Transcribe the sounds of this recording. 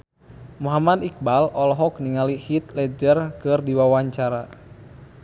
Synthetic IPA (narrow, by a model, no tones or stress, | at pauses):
muɦamad̪ik̚balɔlɦɔk̚niŋalihit̪̚lɛd͡ʒərkɨrdiwawaɲt͡ʃaɾa